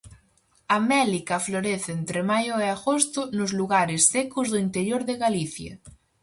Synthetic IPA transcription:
amɛlikafloɾeθeent̪ɾemajoeaɣost̪ʊnozluɣaɾesθekozðoint̪eɾjoɾðeɣaliθja̰

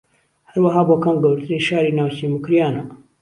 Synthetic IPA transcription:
hɐɾwɐɦaːboːkɐmɡɐwɾt̪ɨɾijʃaːɾiːnaːwt͡ɕimʊkɾijaːnɐ

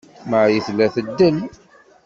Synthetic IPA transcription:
məʕjəθlːæθəd̪ːəl

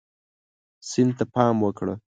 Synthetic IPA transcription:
sɪnd̪t̪apɑmwəkɽə̰

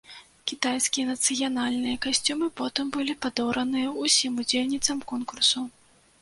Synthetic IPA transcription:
kʲit̪ajskʲijɐnɐt̪sɨjanalʲnɨjɐkasʲt͡sʲumɨpɔt̪ɨmbɨlʲipad̪ɔwɾɐnɨjɐusʲimud͡zʲelʲnʲit̪sɐmkɔnkursu

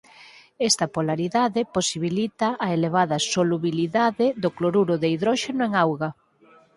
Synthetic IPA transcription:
ɛst̪ɐpolaɾiðaðeposiβilit̪ɐʔːeleβ̞aðɐsoluβiliðaðeðokloɾuɾʊðeiðɾɔʃenʊeŋawɣɐ

